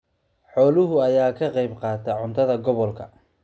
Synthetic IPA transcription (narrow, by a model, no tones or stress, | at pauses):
ħɔːlʊɦʊɐjaːkʰɐqɑjbqɑːt̪ʰɐʕʊnt̪ʰɐðɐɡɔβɔlkʰɐ